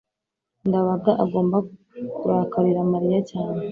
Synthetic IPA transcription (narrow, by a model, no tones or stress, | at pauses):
ŋɡaβaɡaʔaɡo̞ːmba | kuɾakaɾiɾamaɾijacaːɲe